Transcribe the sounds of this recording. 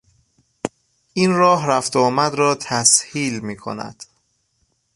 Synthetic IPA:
ʔinrɒːɦɾæft̪ʰɔːmæd̪ɾɒːt̪ʰæshiːlmiːkʰo̞̰næ̰d̪̥

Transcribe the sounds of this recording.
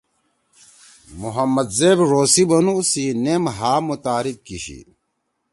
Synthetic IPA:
muɦɐmːɐd̪zeːbɾoːsibɐnusinemɦaːmut̪aːɾik̚kiɕḭ

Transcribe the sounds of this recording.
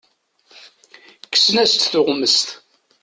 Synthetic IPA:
kə̥sənæst̪θʊʁməst̪

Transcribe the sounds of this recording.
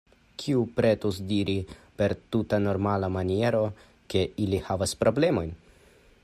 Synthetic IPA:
kʰiupɾe̞tosdiɾipe̞ɾtutano̞ɾmalamanie̞ɾo̞ | ke̞ilihavaspɾo̞ble̞mo̞jn

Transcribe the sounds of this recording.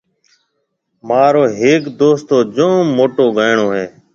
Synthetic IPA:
maːɾoːɦeːkd̪oːst̪oːd͡ʒõːmoːʈoːɡəːɳoːɦeː

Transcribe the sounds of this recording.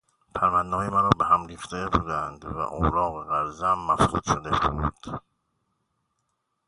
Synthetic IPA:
pʰæmænd̪nɒːemæɾɒːbeɦæmɾiːxt̪ed̪ebuːd̪ænd̪væ̰ʔowɾɒːɣeɣæɾzæmːæfsṵːd̪ʃod̪ebuːd̪̥

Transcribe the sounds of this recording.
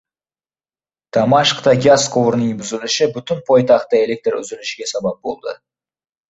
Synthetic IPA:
d̪̥ɑmɑʃqt̪ɑɡʲaskʰovɾnjɪmbʏzɪlɪʃɪbʏt̪ʏnpʰo̞jt̪ɑqt̪ːəe̞lʲe̞k̚t̪rʏ̰zɪlɪʃɪɡʲe̞sɑbɑp̚bo̞̰lˠd̪ə̰

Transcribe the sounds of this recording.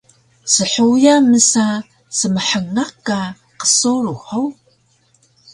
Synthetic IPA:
səħujaməsa | səməħəŋaqːa | qə̥suɾuħow

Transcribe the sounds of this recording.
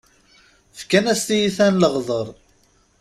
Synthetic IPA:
fkænæst̪ijiθænləʁðˤəɾˤ

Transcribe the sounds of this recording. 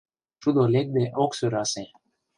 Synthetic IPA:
ʃud̪olʲek̚d̪eʔoksuɾase

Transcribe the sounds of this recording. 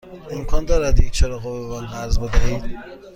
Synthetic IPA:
emkʰɒːnd̪ɒːɾæd̪jek̚t͡ʃʰeɾɒːɣoveɡɒːlnæɾzbed̪æhiːd̪̥

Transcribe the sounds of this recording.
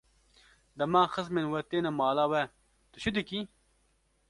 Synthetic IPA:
d̪ɐmãːxɐsmenwɐt̪eːnɐmaːlaːwɐ | t̪uɕud̪iki

